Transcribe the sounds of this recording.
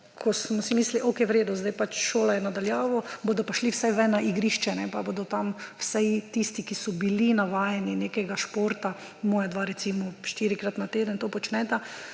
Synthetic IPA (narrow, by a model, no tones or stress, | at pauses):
kʰɔsmɔsimiːsliʔokɛjwɾeːd̪uzd̪ajpat͡ʃʃoːlajɛnad̪aljaːʋɔboːd̪ɔpaʃliwsajʋɛnaʔiɡɾiːʃt͡ʃɛnɛpabod̪ɔt̪amwsajt̪ist̪ikisɔbilinaʋaːjɛninekɛɡaʃpoːɾt̪a | mɔːjad̪ʋaɾɛt̪siːmɔʃt̪iːɾikɾat̪nat̪eːd̪ənt̪oːpɔt͡ʃnɛt̪a